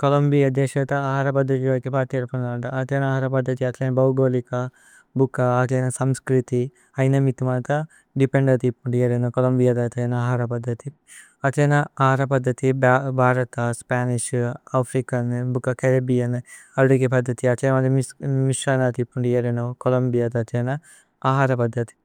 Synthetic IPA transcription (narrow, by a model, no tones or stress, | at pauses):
kolɐmbijɐd̪ɛːʃɐt̪ɐɐɦaɾɐpɐd̪ʱːɐt̪iʋɐːkipaːɾt̪iɐɾpɐnd̪aːɳʈɐɐt̪ɐːnɐːɦɐɾɐpɐd̪ʱːɐt̪iɐt̪lɐjnɐbɐwɡoːlikɐ | bukːɐːt̪lɐjnɐsɐmskɾit̪i | ɐjnɐmit̪umɐnt̪ɐ | ɖipeɳɖɐt̪ipːuɳɖijɐɾɐnɐkolɐmbijad̪ɐt̪ɐjnɐɦaɾɐpɐd̪ʱːɐt̪i | ɐt͡ʃɐnɐaːɦaːɾɐpɐd̪ʱːɐt̪ibbʱaːɾɐt̪ɐspaːniʃaːpʰɾikɐnbukːɐkɐɾɐbijɐn | ɐɾɾikepɐd̪ʱːɐt̪iɐt͡ʃenɐmɐd̪ɐmimiʃaːnɐt̪ipːuɳɖijɐɾenokolɐmbijad̪ɐt͡ʃeːnɐ | aːɦaːɾɐpɐd̪ʱːɐt̪i̥